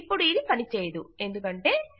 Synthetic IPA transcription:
pːuɽuiːd̪ipɐnit͡ʃeːjd̪ue̞nd̪ukɐɳʈe̞ː

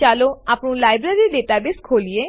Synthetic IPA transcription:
t͡ʃaːloaːpɳũlaːɪbɾeːɾiɖeːʈaːbɪskʰoːlieː

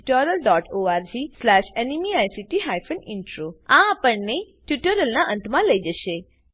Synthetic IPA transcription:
ʈəɾəlɖɔʈoaɾd͡ʒislɛʃenimiajsiʈiɦajfəniɳʈɾoãːpəɳne | ʈjuʈəɾəlnaʔə̃nt̪mãləid͡ʒəʃe

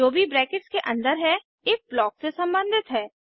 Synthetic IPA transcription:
oːbʱibɾɛːkɪʈskeʔɐ̰̃nd̪əɾɦɛ | eːk̚blɔːksesɐ̃mbə̃nd̪ʱɪt̪ɦɛː

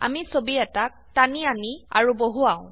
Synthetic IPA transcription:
a̰misobiɛtak̚taniania̰ɹuboɦuaʊ̃

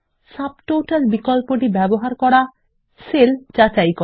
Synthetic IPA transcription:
sab̚ʈoʈalbikɔlpoʈibɛboɦaɾkɔɽa | seld͡ʒat͡ʃajkɔ

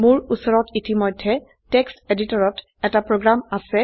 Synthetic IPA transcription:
mʊɹusɔɹɔtitimɔjdʱːɛ | tɛksteditɔɹɔt | ɛtapɹoɡɹamasɛ

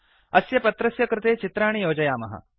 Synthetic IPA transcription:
ɐsjɐpɐt̪ɾɐsjɐkɾɪt̪eːt͡ʃit̪ɾaːɳ̃ijoːd͡ʒɐjaːmɐ̰ɦɐ̰

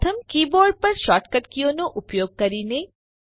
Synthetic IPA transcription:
t̪ʰəmkiːboːɾɖ̚pɐɾʃaːʈkəʈkijoːnoʔʊpjoːɡ̚kɐɾiːne

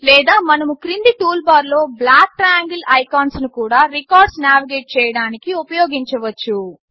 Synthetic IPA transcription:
lɛːd̪aːmɐnɐmukɾind̪iʈuːlbaːɾlo̞ːblaːkːɾjaːŋɡɐlɐjkaːnsnukuːɽaːɾikaːɾɖsnaːʋiɡeːʈ̚t͡ʃɛːjɐɽaːnikiupɐjoːɡiɲt͡ʃɐʋɐt͡ʃːu

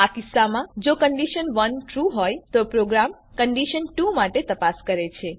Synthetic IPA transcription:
akisːamãd͡ʒokəɳɖiʃənʋənʈɾuɦojt̪opɾoɡɾam | kəɳɖiʃənʈumaʈet̪əpaskəɾet͡ʃʰe

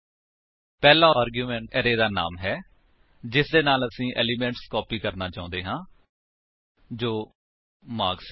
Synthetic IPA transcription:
pɛːlaːaːɾɡjuːmɛ̃ːɳʈɛːɾeːd̪aːna̰ːmɦɛː | d͡ʒɪsd̪eːnaːləsĩːʔɛ̰ːliːmɛ̃ːɳʈskɔːpiːkəɾnaːt͡ʃaːʊ̃nd̪eːɦãː | d͡ʒoː | maːɡs

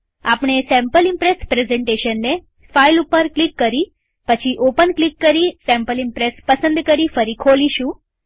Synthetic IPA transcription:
apɳ̃esɛ̃mpəlimpɾespɾezẽɳʈeʃənːe | failupəɾklikːəɾi | pət͡ʃʰiʔopənklikːəɾisɛ̃mpəlimpɾespəsənd̪kəɾifəɾikʰoliʃũ

